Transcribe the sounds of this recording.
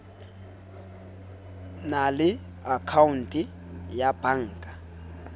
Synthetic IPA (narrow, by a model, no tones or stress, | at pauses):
nalɪ | akʰaun̩tʼi | jab̥aŋ̩ːkʼa